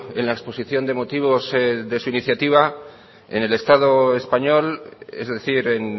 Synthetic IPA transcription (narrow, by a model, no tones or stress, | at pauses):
e̞̰nlaekspo̞siθjo̞nd̪e̞mo̞t̪iβ̞o̞zðe̞suiniθjat̪iβ̞a | e̞̰ne̞le̞st̪að̞oe̞spaɲo̞lezðe̞θiɾe̞n